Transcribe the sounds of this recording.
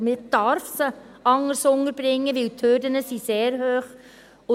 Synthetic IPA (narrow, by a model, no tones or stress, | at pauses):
mɪd̥ɑɾfsə | ɑŋəɾsʊŋəɾb̥ɾɪŋːəʋɪltʰhødənəsiseːɾhøːχ | ʊ